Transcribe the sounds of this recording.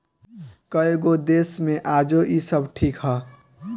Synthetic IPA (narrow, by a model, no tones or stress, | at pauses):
kəeɡod̪esmẽʔaːd͡ʒoʔisəbʈʰiːkɦʌ